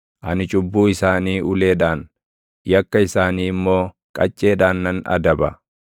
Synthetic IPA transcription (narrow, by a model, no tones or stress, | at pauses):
ʔɐnɪt͡ʃʼʊbːuːɪsaːniːʊle̞ːᶑaːn | jɐkːɐɪsaːniːɪmːo̞ː | kʼɐt͡ʃʼːe̞ːᶑaːnːɐnɐ̰d̪ɐbɐ